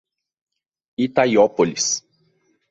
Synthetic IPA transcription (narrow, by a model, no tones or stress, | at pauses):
it̪ajɔpolis